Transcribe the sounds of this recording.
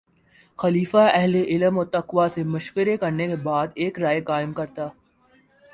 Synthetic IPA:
xɐliːfaɛɦleʔɪləmɔːɾt̪ɐqʋasemʊʃwəɾekɐɾnekebaːd̪eːkɾaːjekaːɪmkɐɾt̪aː

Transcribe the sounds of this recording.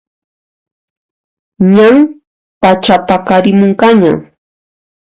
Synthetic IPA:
ɲaŋ | pat͡ʃap̪akaɾɪmoɴqaɲa̰

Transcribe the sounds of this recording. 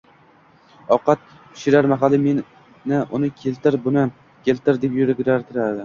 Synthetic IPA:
ɒqɑt̪̚ʰɪ̥ʃɪɾaɾmaɦalɪmen | nɪʊnɪkʲʰe̞lt̪ɪɾbʊnɪ | kʲʰe̞lt̪ɪɾd̪epjʊɾɪɡʲɾaɾt̪ʰɪɾad̪ɪ

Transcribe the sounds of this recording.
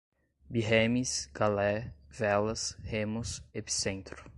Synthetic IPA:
biɦemisɡ̥alɛvɛlɐshẽmʊsepi̥sẽnt̪ɾʊ̥

